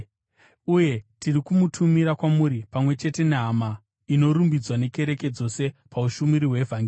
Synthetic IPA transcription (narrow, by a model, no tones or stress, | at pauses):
uje̞tirikumutʰumiɾakwamuɾipamwe̞t͡ʃe̞te̞neɦama | ino̞ɾumbid͡zwane̞ke̞ɾe̞ke̞d͡zo̞se̞pauʃumiɾiwe̞vʱaŋɡiː